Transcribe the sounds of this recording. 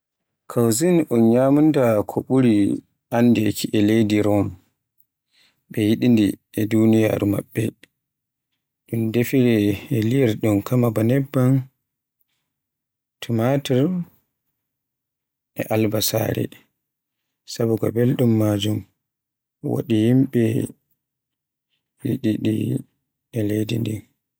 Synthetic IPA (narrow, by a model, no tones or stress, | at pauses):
kʰawzinʔɔnɲaːmundakʰɔɓuɾi | anːdɛkʰiʔɛlejdiɾɔm | ɓɛjiɗindi | ɛdunija̰ːɾuma̰ɓːɛ | ɗumdefiɾɛːlijɛɾɗunkʰamabanɛbːan | tʰumatiɾ | ʔɛʔalbasa̰ːɾɛ̰ | sabuɡɔ̰bɛlɗumːad͡ʒum | ɔwo̰ɗihimɓɛ | jiɗiɗḭ | ɛlejdḭndi